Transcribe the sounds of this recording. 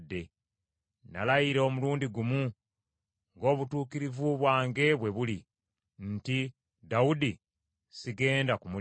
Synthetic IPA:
dːe̞ | na̰lajiɾeo̞muluːndiɡumu | ŋɡo̞ːβutuːkiɾivuβwaːŋɡe̞βwe̞βuli | nti | daudi | siɡe̞ːndakumu

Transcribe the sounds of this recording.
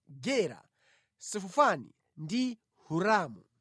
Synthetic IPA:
ɡɛɾa̰ | sɛfufanḭ | ndi | huɾaːmu

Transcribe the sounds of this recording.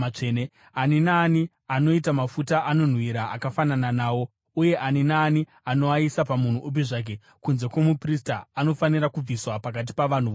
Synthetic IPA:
t͡ʂene | aninaːni | ano̞itamafutaʔano̞n̤wiɾaʔakafanananaːwo̞ | uje̞ʔaninaːni | ano̞aisapamun̤uʔup̬iʐaːk̬e̞ | kunze̞kwomupristaːno̞faniɾakub͡viswapakat̬i̥paʋan̤uʋ

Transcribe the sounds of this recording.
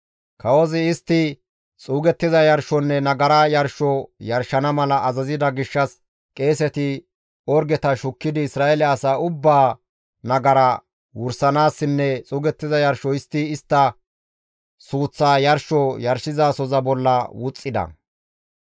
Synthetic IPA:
kɐɔzɪɪst̪ːɪ | t͡sʼuːɡɛt̪ːɪzɐjɐɾʃɔnːɛnɐɡɐɾɐjɐɾʃɔjɐɾʃɐnɐmɐlɐʔɐzɐzɪd̪ɐɡɪʃːɐs | kʼe̞ːsɛt̪ɪ | ɔɾɡɛt̪ɐʃʊkːɪd̪ɪɪsɾaːɛlɛɐsaːʊbːaː | nɐɡɐɾɐ | wʊɾsɐnaːsːɪnːɛt͡sʼuːɡɛt̪ːɪzɐjɐɾʃɔɪst̪ːɪɪst̪ːɐ | suːt͡sːaːjɐɾʃɔjɐɾʃɪzaːsɔzɐbɔlːɐwʊt͡sʼːɪd̪ɐ̰

